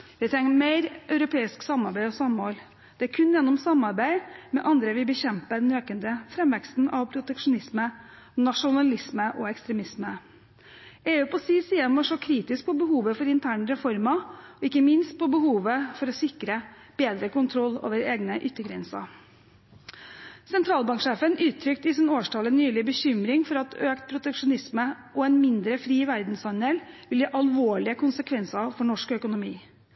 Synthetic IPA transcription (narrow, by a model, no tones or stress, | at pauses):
ʋ̪ɪt̪ʰɾɛŋːmeɪɾʔœʉɾʊpʰeːɪsksɑmːɑɾbæɪɔsɑmoːl | d̪̥ɛæɾkʰʉnːjɛnːɔmsɑmɑɾbæɪmɛ̰ʔɑnd̪ɾəʋɪbəçɛmpəd̪ɛnøːkənd̪əfɾɛmʋɛkst̪n̩ʔɑʋpʰɾʊt̪ɛkʂʊnɪsmə | nɑʂʊnɑlɪsməʔɔɛkst̪ɾɛmɪsmə | eːʉːpʰɔsiːsiːənʋɔʂɔkʰɾiːt̪ɪsk̚pʰɔbəɦuːʋəfɔɾɪnt̪ʰæːɳəɾɛfɔɾmɑɔɪkːəmɪnst̪̚pʰɔbəhuːʋəfɔɾɔsɪkɾə | b̥eːd̪ɾəkʊnt̪ʰɾɔlːo̰ːʋəɾeːɡnəʔʏt̪ːəɡɾɛnsɑ̰ | sɛnt̪ʰɾɑːlbɑŋkʂeːfənʔʉːt̪ʰːɾʏkt̪ɪsɛnoːʂʈʰɑlənːyːlɪbəçʏmɾɪŋfɔɾɑt̪øːkt̪̚pʰɾʊt̪ɛkʂʊnɪsmə | ʔɔɛnmɪnd̪ɾəfɾiːʋæɾd̪nsɑnɛlʋɪljɑːʔɑlʋoːɭɪəkʊnsəkʰʋɛnsɑfɔɳɔʂkœkʊnʊmiː